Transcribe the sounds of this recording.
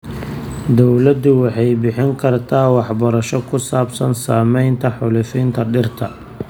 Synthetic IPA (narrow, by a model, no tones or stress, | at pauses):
d̪ɔwlɐd̪ʊwɑħɑjbɪħɪŋkʰɐrt̪ʰaːwɑħbɐɾɐʃɔkʰʊsaːbsɐnsaːmɛjnt̪ʰɐħʊlʊfiːnt̪ʰɐɖɪrt̪ʰɐ